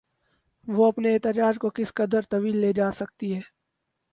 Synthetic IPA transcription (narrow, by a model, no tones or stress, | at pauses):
ʋoɐpneɛːt̪ɪd͡ʒaːd͡ʒkokɪskɐd̪əɾt̪ɐʋiːlːed͡ʒaːsɐk̚t̪iɦɛː